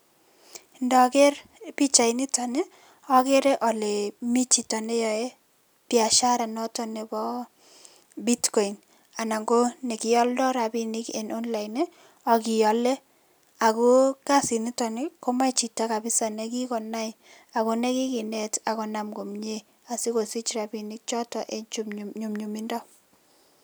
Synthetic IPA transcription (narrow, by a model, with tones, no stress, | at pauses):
ndɔ˨kɛ˦rpi˦t͡ʃa˨inɪ˦tɔ˨ne˦ | ɔ˦ke˦ɾe˦ʔɔ˨le˨mi˦t͡ʃi˨tɔ˨ne˦jɔ˨e˦ | tia˨ʃa˦ɾa˨nɔ˦tɔ˦ne˨bɔ˦ | bi˦tkɔ˨i˨n | a˨na˨ŋɡo˦ne˨kɪ˨jɔ˦ldɔ˦ɾa˨bi˦nɪ˦kḛ˨no˦nla˨jne˦ | ɔ˨kɪ˨jɔ˨le˦ | a˨kʊ˦ka˦si˨ni˦tɔ˨nɪ˦kɔ˦ma˦t͡ʃi˨ta˦ka˨bɪ˦sa˨nɛ˨ki˦kɔ˨na˦ɪ | a˨kʊ˦nɛ˦kɪ˦kɪ˨nɛ˦ta˨kɔ˨na˨mɡo˨mɲe˦ | a˨si˦ko˨si˦t͡ʃra˨binɪ˦k̚t͡ʃɔ˦tɔ˨ʔe˦t͡ʃumɲu˨mɲu˨mi˦ndɔ˦